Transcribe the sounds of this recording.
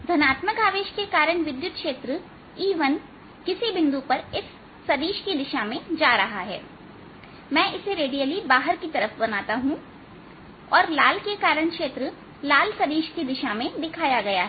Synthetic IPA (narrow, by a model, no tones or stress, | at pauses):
d̪ʱɐnaːt̪məkaːʋeːʃkekaːɾəɳ̃ʋɪd̪jʊt̪̚kʃeːt̪ɾə | iːʋən | kɪsibɪ̃nd̪upɐɾɪsː | ɐd̪iːʃkid̪ɪʃamẽd͡ʒaːɾɐɦaɦɛ̰ː | mɛ̃ːʔɪseɾeːɖijəlibaːɦəɾkit̪ɐɾəfbɐnaːt̪aɦũ | ɔːɾlaːlkekaːɾəɽ̃kʃeːt̪ɾə | laːlsɐd̪iːʃkid̪ɪʃamẽd̪ɪkʰaːjaɡɐjaɦɛ